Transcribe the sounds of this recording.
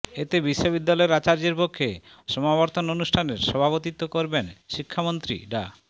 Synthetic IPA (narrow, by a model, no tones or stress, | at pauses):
et̪ebiʃːobid̪ːalɔeɾat͡ɕaɾd͡ʑeɾpokʰːe | ʃɔmaβɔɾt̪ononuʃʈʰaneɾʃɔbʱaβot̪it̪ːokoɾbenʃikʰːamont̪ɾḭɖa